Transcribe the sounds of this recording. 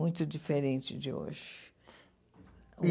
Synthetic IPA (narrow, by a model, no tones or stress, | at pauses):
ũj̃t̪ʊd͡ʒifeɾẽnt͡ʃɪd͡ʒɪo̰ʒɪ